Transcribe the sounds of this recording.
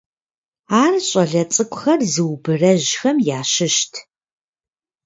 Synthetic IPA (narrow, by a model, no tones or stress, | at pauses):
aːrɕʼɐɮɐt͡sʼɨkʷʼxɐrzɨwbɨrɐʑxɐmjaːɕɪʃtʰ